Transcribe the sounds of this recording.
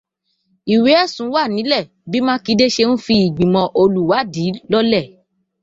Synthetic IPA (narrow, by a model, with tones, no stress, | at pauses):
i˨we˨˦ɛ˦˨sũ˨˦wa˦˨nĩ˨˦lɛ˦˨ | bi˦mã˦ki˨˦de˦ʃe˧ñ̩˦fi˧i˨ɡ͡bĩ˨mɔ̃˧ʔo˧lu˨wa˨˦˨di˨˦lɔ˦lɛ˦˨